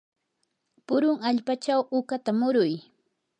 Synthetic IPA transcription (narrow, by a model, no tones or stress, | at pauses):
pʊɾʊŋaʎpat͡ʃawʔʊkat̪amʊɾʊj